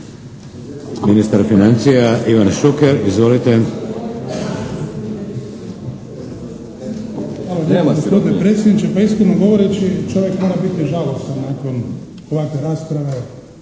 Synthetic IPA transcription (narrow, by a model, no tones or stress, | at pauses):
minist̪aɾfinant̪sijaʔiʋanʃukɛɾizʋolit̪ɛ | xaloɡopo̞d̪inepɾet̪sʲjed̪nit͡ʃepaiskod̪noɡo̞ʋoɾet͡ʃit͡ʃo̞ʋjekmo̞ɾabit̪iʒalosannaːkon | xoʋat̪eɾaːspɾaʋe